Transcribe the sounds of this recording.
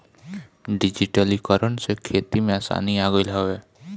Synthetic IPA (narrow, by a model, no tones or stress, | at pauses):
ɖid͡ʒiʈəlikɔɾɔnsekʰet̪imeasa̰niaɡɔjlɦɔe